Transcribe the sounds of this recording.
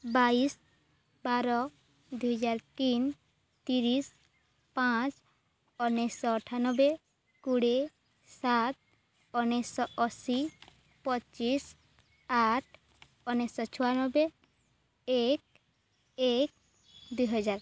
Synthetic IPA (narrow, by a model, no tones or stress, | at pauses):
bais | baɾɔ | d̪ujɦɔd͡ʒaɾt̪in | t̪iɾis | pãt͡ʃ | ɔnesɔːʈʰanɔbe | kuɽe | sat̪̚ | ɔnɛsɔʔɔsi | pɔt͡ʃis | aʈʰ | ɔnesɔt͡ʃʰɔwanɔbe | ek̚ | ek̚ | d̪ujɦɔd͡ʒaɾ